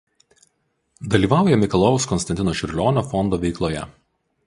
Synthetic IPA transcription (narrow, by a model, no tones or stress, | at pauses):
d̪ɐlʲiːʋɑˑʊjɛmʲɪkɐlˠɔʊskɔnsɐnʲt̪ʲɪnoːʃʲɪɾʲlʲɔːnʲofɔnd̪oːʋʲɛɪklˠoːjɛ̰